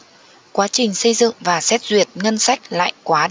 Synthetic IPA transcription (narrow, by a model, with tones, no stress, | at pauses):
kwaː˨˦t͡ɕï˨˩ŋ̟sə˧jzɨ̰˧˨ŋvaː˨˩sɛ˦˥t̚zwi˨˩ət̚ŋə˧nsa˦˥k̟̚la̰ː˧˨jkwaː˨˦